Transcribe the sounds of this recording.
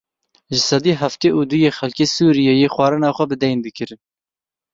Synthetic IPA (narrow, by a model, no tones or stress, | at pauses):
ʒɪsɑd̪iːɦæft̪eːʔuːd̪ujeːxɛlkeːsuːɾijɛjeːxwɑːɾɨnɑːxʷɛbɨd̪ɛjnd̪ɨkɨɾɨn